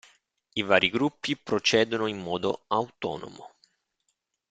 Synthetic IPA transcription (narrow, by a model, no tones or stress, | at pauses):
ivaːɾiɡɾupːipɾot͡ʃɛːd̪onoimːɔːd̪oawt̪ɔ̰ːno̰mo̰